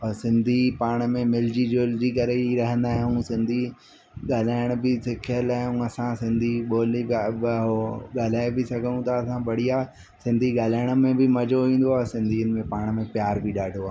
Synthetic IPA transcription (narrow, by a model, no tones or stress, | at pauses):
ɐsɪ̃nd̪ʱipaːɽ̃̆mẽmɪld͡ʑid͡ʑoːld͡ʑikɐɾeɾɐɦə̃nd̪aːɦiũsɪ̃nd̪ʱi | ɠaːl̤aːɪɽ̃bɪsɪkʰiəlaːɦiũɐsãsɪ̃nd̪ʱiɓoːliɦoɠaːl̤aːebɪsɐɡʱəñũt̪ɐːsãbɐɽ̤ija | sɪ̃nd̪ʱiɠaːl̤aːɪɽ̃ə̆mẽbɪmɐd͡ʑʱoʋĩːnd̪oaːɦsɪ̃nd̪ʱiːənɪ̆mẽpaːɽ̃mẽpjaːɾbʱiɗaːɖʱoaːɦ